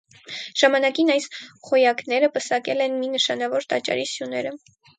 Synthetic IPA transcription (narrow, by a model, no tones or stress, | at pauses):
ʒ̥ɑmɑnɑkinɑjsχɔjɑknɛɾəpəsɑkɛlɛnminəʃɑnɑvɔɾt̪ɑt͡ʃɑ̰ɾisjunɛɾə